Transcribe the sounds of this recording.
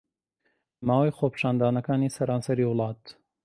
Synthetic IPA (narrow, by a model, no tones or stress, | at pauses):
maːwɐjxoːpʰʃaːnd̪aːnɐkaːniːsɐɾaːnsɐɾiːwɨlˠɑːt̪